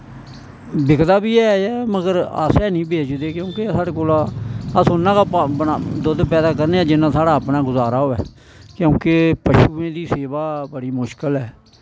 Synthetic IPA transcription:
bɪkd̪aːbiːɛːɛːməɡəɾə̰sɛːnĩːbeːd͡ʒd̪eːkjõːkesaːɽeːkoːlaːəsʊnːãːkaːpːnad̪ʊd̪pɛːd̪aːkəɾneːaːd͡ʒɪnːãːsaːɽaːəpnaːɡʊzaːɾaːɦoːɛ̰ː | kjõːkepəʃuːẽːd̪iːseːbaːbəɽiːmʊʃkəlɛː

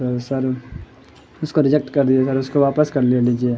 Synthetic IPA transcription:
ɐsɐɾ | ʊskoɾɪd͡ʒek̚ʈkɐɾd̪iesɐɾʊskoʋaːpəskɐɾlieliːd͡ʒie

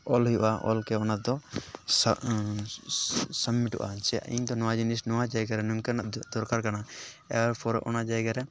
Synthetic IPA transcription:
ɔlɦijṵʔaʔɔ̰lkɛɔnad̪ɔ | səmːiʈɔ̰ʔa̰t͡ʃɛḭɲd̪ɔnɔwad͡ʒinisnɔwad͡ʒajɡaɾɛnumkɛnaʔd̪ɔɾkaɾkanaɛɾpʰɔɾɛ̰ʔɔnad͡ʒajɡaɾɛ

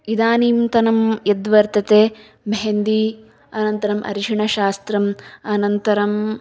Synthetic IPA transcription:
id̪aːniːmt̪ɐnɐmjɐd̪ʋɐɾt̪ɐt̪eː | meɦend̪i | ɐnɐnt̪ɐɾɐmʔɐ̰ɾiʃiɳɐʃaːst̪ɾɐmɐnɐnt̪ɐɾɐm

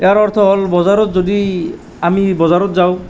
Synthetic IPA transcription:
eaɾɔɾt̪ʰɔɦɔlbɔzaɾɔt̪d͡ʒod̪i | amibɔzaɾɔt̪d͡ʒaw

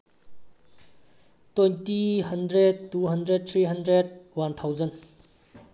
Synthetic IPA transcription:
tojntiɦɐndɾed̚tːuɦɐndɾed̚t̪ʰɾiɦɐndɾed̚want̪ʰawzən

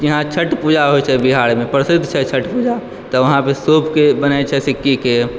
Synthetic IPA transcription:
iɦãt͡ʃʰəʈpud͡ʒaɦojt͡ʃʰɛbiɦaɽmepɾəsɪd̪ʱt͡ʃʰɛt͡ʃʰəʈpud͡ʒa | t̪ɔʋəɦãpesopʰkebənajt͡ʃʰɛsikːike

